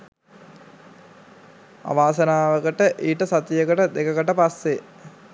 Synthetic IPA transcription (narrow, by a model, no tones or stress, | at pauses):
a̰ʋaːsɐnaːʋəkəʈəʔiːʈəsat̪ijəkəʈəd̪ekəkəʈəpasːe